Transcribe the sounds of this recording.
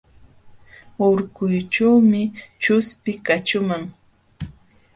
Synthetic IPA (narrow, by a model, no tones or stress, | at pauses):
oɾkʊjt͡ʃawmɪt͡ʃʊspɪkat͡ʃʊmaŋ